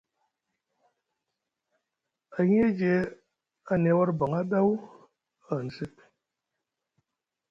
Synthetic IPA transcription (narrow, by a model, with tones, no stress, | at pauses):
a˨ɲ˦e˦d͡ʒe˨ | a˨ne˨˦wɔ˦ɾbɔ˨ŋa˦ba˦wu˦ | a˨n̩˨sɨ˦t̚